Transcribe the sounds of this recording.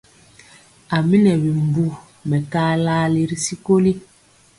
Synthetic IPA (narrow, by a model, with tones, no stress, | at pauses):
a˨mi˦nɛ˨bi˨m˨bu˨ | mɛ˨kaː˦laː˦li˨ɾi˦si˦ko˦li˦